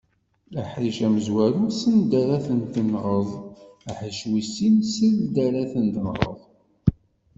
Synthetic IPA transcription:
æħɾiʃæməzwæɾusənd̪æɾæθənt̪ənʁəðˤæħiʃwisinsəððd̪æɾæθənt̪ənʁˤə̰ðˤ

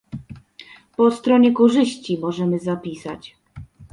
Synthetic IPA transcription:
pɔst̪ɾɔɲɛkɔʐɘɕt͡ɕimɔʐɛmɘzapʲisa̰t͡ɕ

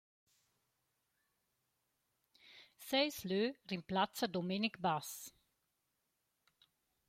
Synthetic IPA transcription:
sɛjsløːrimplatt͡sədomenikbas

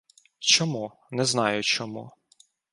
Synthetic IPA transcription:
t͡ʃɔmu | nɛznɑjʊt͡ʃɔmṵ

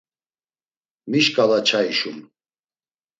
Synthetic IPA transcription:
miʃkʼalat͡ʃʰaiʃum

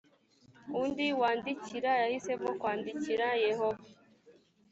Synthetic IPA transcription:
undiwaːndiciɾajahise̞mokwaːndiciɾajehova

